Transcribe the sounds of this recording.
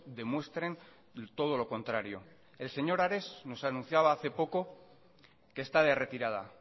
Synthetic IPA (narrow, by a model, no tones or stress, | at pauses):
d̪e̞mwe̞st̪ɾe̞n | t̪o̞ð̞o̞lo̞ko̞nt̪ɾaɾjo̞̰ | e̞lse̞ɲo̞ɾaɾe̞zno̞sanũnθjaβ̞aaθe̞po̞ko | keːst̪aðe̞re̞t̪iɾað̞a̰